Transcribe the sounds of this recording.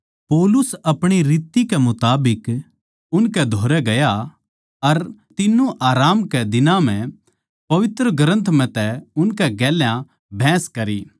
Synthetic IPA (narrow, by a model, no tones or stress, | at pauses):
poːlʊsɐpɽ̃iɾiːt̪ikɛmʊt̪aːbɪk | ʊnkɛd̪ʱoːɾɛɡɐja | ɐɾt̪ɪnːũʔaːɾaːmkɛd̪ɪnãm̤ɛ̃ | pɐʋɪt̪ɾəɡɐɾə̃nt̪ʰm̤ɛ̃t̪ɛʊnkɛɡɛːljã | bʱɛ̃ːskɐɾi